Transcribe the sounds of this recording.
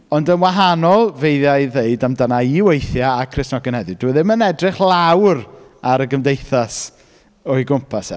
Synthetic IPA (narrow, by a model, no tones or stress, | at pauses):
ɔndənwaɦanɔlˠvejðjaɨðeɨdamdanaiwejθjaakʰrɪsnɔɡənhɛðɨduðɪmənɛdrɪχlˠawraɾəɡəmdejθas | ɔɨɡʊmpʰasɛ̰